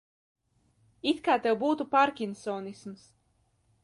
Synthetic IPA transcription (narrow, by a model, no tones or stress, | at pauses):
it̪kaːt̪ɛwbuːt̪upaɾkʲinsɔːnisms